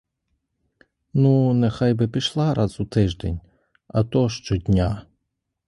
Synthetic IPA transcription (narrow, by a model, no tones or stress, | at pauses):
nunɛxɑjbɪpʲiʃlˠɑɾʔɑzut̪ɪʒd̪ɛnʲ | ɐ̰t̪ɔʃt͡ʃɔdʲnʲa